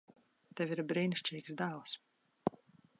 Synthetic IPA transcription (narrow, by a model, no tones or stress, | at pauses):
t̪ɛviɾbɾiːnʃt͡ʃiːksd̪aːlˠs